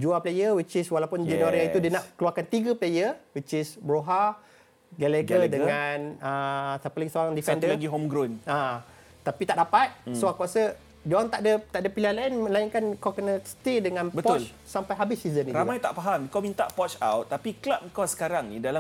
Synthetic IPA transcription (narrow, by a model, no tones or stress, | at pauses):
d͡ʒuaplejəwit͡ʃiswalapʊnd͡ʒɛnaɾiaiudənaʔkəluakant̪iɡəplejəwit͡ʃisbɾoɦa | ɡalɛkədəŋanəsapəlaɡisoaŋdifɛnd̪əlaɡiɦomɡɾɔnã | t̪apit̪aʔdapat̪̚soaŋkuasə | d͡ʒoaŋt̪aʔdət̪aʔdəpilahlainmə̃laiŋkankawkənəst̪edəŋãnbətpɔʊt͡ʃl | sampajɦabisːizənitɾaumajt̪aʔpaɦamikawmint̪aʔpɔt͡ʃa̰wt̪ːapiklap̚ikawsə̥kaɾaŋnidala